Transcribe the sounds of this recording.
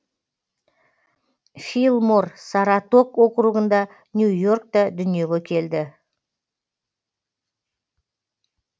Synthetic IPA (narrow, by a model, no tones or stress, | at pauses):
filˠmoɾsɑɾɑt̪o̞kwo̞qɾuʁənd̪ɑ | njujo̞ɾk̚t̪ɑd̪ʏnije̞ɡʲekʲʰe̞ld̪ɪ